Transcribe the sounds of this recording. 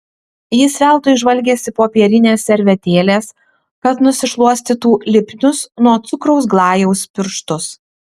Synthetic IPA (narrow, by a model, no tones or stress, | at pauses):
jɪsʲʋʲæˑlˠt̪oɪʒʋɐlʲɡʲeːsʲɪpoːpʲiɛɾʲɪnʲeːsʲɛɾʲʋʲɛt̪ʲeːlʲeːs | kɐt̪nʊsʲɪʃlˠuɔsʲt̪ʲɪt̪uːlʲɪpʲnʲʊsnuɔt̪sʊkɾɔʊsɡlˠɑːjɛʊspʲɪɾʃt̪ʊs